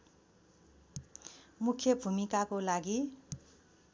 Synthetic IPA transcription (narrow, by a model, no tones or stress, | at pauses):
mukʰjʌbʱumikakolaɡi